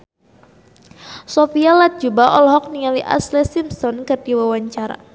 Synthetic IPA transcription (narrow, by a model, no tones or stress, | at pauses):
sofialat̪̚d͡ʒubaʔɔlɦɔk̚niŋaliʔa̰slɛsimsɔnkɨrdiwawaɲt͡ʃaɾa̰